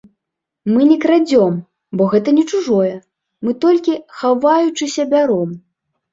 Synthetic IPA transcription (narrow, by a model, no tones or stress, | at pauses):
mɨnʲɛkɾad͡zʲɔm | bɔɣɛt̪ɐnʲɛt͡ʂuʐɔjɛ | mɨt̪ɔlʲkʲixavajut͡ʂɨsʲɐbʲaɾɔm